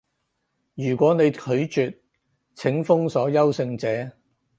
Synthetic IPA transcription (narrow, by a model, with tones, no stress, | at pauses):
jyː˨˩kʷɔː˨˥ne˨˧jkʰɵ˨˧˥ɥt͡ʃyː˨t̚ | t͡sʰɪ˨˥ŋfʊ˥ŋsɔː˨˥jɐ˥wsɪ˧ŋt͡sɛː˨˥